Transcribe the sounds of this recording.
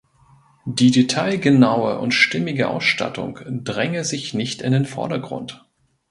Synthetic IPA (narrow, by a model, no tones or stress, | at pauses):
d̥iːdetʰaɪlɡənaʊə̰ʔʊ̰ntʃtɪmɪɡəʔa̰ʊsʃta̰tʊ̰ŋd̥ʁɛŋəzɪçnɪçtɪndeːnfɔ̰ɐdɐɡʁʊ̰nt